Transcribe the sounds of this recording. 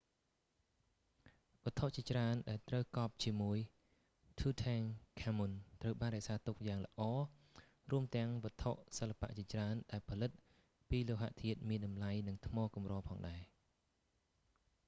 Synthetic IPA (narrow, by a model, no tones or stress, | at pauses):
ʋŏət̪ʰoʔt͡ɕiət͡ɕraənɗaɛlt̪rəwkɑːp̚t͡ɕiəmuəj | t̪ʰuːt̪ʰaŋkʰamunt̪rəwɓaːnrɛəʔsaːt̪uk̚jaːŋlə̰̆ʔɑː | ruəmt̪ɛ̆əŋʋɔ̆ət̪ʰoʔsəlːapa̰ʔt͡ɕiət͡ɕraənɗaɛlpʰɑlɨt̪̚ | piːloːɦa̰ʔt̪ʰiət̪̚miənɗɑmlajnɨŋt̪ʰmɔːkumrɔːpʰɑːŋɗaɛ